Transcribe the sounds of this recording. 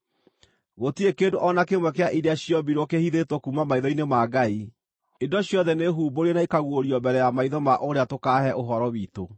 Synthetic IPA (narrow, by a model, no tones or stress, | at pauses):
ɣotiekeːndoʔɔnakemwɛkeaʔiɾeaɕjɔbiɾwɔkehiðetwɔkumamaiðɔinemaɡai | endɔɕjɔðɛneɦuːboɾenaikaɣwoɾiɔbɛɾɛjamaiðɔmaʔoɾeatokaɦɛʔoɦɔɾɔwiːto